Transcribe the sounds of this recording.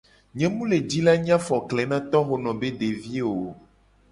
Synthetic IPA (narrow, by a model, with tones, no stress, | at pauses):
ɲɛ̃˦mũ˦le˨d͡ʒi˦la˦ɲ˦ã˦fɔ˨klɛ˨nã˦t̪ɔ˦xo˨nɔ̃˨be˦ɖe˨vi˦wo˨